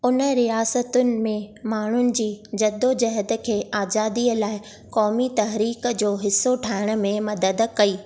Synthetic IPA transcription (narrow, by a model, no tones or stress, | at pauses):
ʊnə̆ɾijaːsət̪ʊnɪ̆mẽmaːɳ̤ʊnɪ̆d͡ʑiːd͡ʑɐd̪od͡ʑɐɦəd̪ə̆kʰeːaːzaːd̪iːəlaːɪ | kɔːmit̪ɐɦɾiːkd͡ʑoːɦɪsːoʈʰaːɪɽ̃ə̆mẽmɐd̪əd̪kɐiː